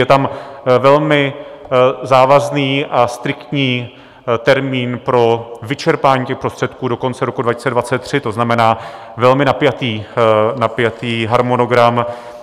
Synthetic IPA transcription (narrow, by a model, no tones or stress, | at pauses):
jɛt̪amvɛlmɪ | zaːvazniːʔast̪ɾɪkt̪ɲiː | t̪ɛɾmiːnpɾo̞vɪt͡ʃɛɾpaːɲiːcɛxpɾo̞st̪r̥ɛt̪kuːdo̞ko̞nt͡sɛɾokudvacɪ̥sɛdvat͡sɛt̪̚ːr̝̥ɪt̪o̞znamɛnaː | vɛlmɪnapjat̪iːnapjat̪iːɦaɾmono̞ɡɾam